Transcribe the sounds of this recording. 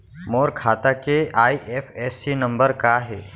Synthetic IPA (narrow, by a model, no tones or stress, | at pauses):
moːɾkʰaːt̪akeaːiʔeːpʰɛːsinɐ̃mbəɾkaɦɛː